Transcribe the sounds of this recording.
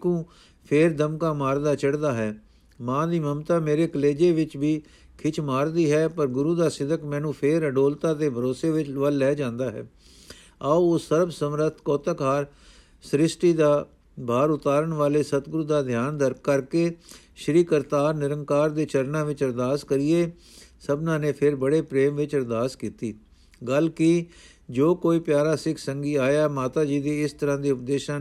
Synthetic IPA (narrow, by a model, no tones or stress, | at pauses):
kũː | pʰeːɾd̪əmkaːmaːɾd̪aːt͡ʃəɽd̪aːɦɛː | mãːd̪iːməmt̪aːmeːɾeːkəleːd͡ʒeːʋɪt͡ʃʋiː | kʰɪt͡ʃʰmaːɾd̪iːɦɛːpəɾɡʊɾuːd̪aːsɪd̪əkmɛ̃ːnũːpʰeːɾəɖoːlt̪aːt̪eːbʱəɾoːseːʋɪt͡ʃʋəlːɛːd͡ʒãːnd̪aːɦɛ̰ː | aːooːsəɾbsəmɾət̪ʰkɔːt̪əkɦaːɾ | sɾɪsʈiːd̪aː | bʱaːɾʊt̪aːɾəɳʋaːleːsət̪ɡɾuːd̪aːd̪ʱjaːnd̪əɾkəɾkeː | ʃəɾiːkəɾt̪aːɾnɪɾə̃ŋkaːɾd̪eːt͡ʃəɾnãːʋɪt͡ʃəɾd̪aːskəɾieː | səbnãːneːpʰɪɾbəɽeːpɾeːmʋɪt͡ʃəɾd̪aːskiːt̪iː | ɡəlkɪ | d͡ʒoːkoːiːpjaːɾaːsɪkʰsəŋɡiːaːjaːmaːt̪aːd͡ʒiːd̪eːɪst̪əɾãːd̪iːʊp̚d̪eːʃãː